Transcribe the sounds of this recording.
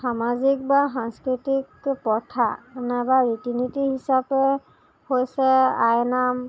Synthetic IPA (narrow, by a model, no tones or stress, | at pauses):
samazik̚basanskɹitikpɔtʰa̰ɛnɛbaɹitinitihisapɛ | hojsɛajnam